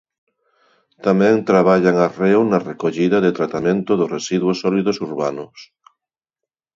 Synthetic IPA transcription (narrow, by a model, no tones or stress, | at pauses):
t̪amɛ̃ŋt̪ɾaβ̞aʎaŋarewnɐrekoʎiðɐðet̪ɾat̪amẽnt̪ʊðʊresiðwosːɔliðosuɾβanʊs